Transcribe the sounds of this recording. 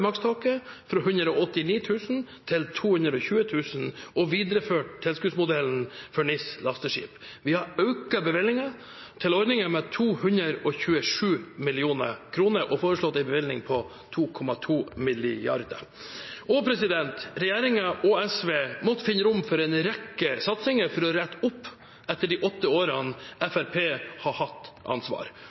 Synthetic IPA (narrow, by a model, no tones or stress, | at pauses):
mɑkst̪ʰɑːkəfɾɔɦʉnd̪ɾəɔɔt̪ːɪniːt̪ʰʉːsn̩t̪ʰɪlt̪ʰuːhʉnd̪ɾɔçʉːət̪ʰʉːsn̩ɔʋiːd̪əɾəføːʈt̪ʰɛlskʉːsmʊd̪ɛln̩fɔɳɪslɑst̪əʂḭːp | ʋɪhɑɾɑʉkɑbəʋɪlnɪŋɑ | t̪ʰɪlɔɾnɪŋəmɛt̪ʰuːhʉnɾəɾɔçʉːəʂʉːmɪlɪuːnə̰kʰɾuːnəɾʔɔfoːɾəʂɭɔt̪ːæɪbəʋɪlnɪŋpʰɔ | t̪ʰuːkʰɔmɑt̪ʰuːmɪlɪjɑ̰ɾd̪ə̰ | ʔɔpʰɾɛsɪd̪ɛnt̪ɾɛjeːɾɪŋɑʔɔɛsʋeːmɔt̪ːfɪnːəɾʊmfɔɾɛnɾɛkːəsɑt̪sɪŋəɾfɔɾɔɾɛt̪ːʊpː | ɛt̪ːəɖɪʔɔt̪ːəoːɾɑnɛfæɾpʰeːhɑhɑt̪ːʔɑ̰nsʋɑ̰ːɾ